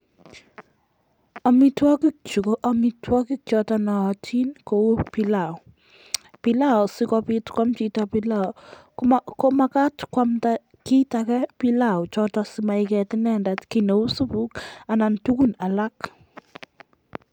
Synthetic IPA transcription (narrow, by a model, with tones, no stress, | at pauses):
ɔ˨mi˦twɔ˦kik̚t͡ʃu˨koʔɔmitwɔ˦ki˦k̚t͡ʃɔtanɔː˨tʰi˦nko˨wu˦pi˦la | pi˦la˦ɔ˨si˦kɔ˦pi˦tkwa˦mt͡ʃitapila | ko˦ma˦ka˦tkwa˦mta | ki˦takɛ˦pi˦la˨u˨t͡ʃɔtɔsima˨ikɛ˨tɪ˦nɛ˦ndatkino˨u˦su˦pu˦ka˨na˨ntu˦ku˦na˨la˦k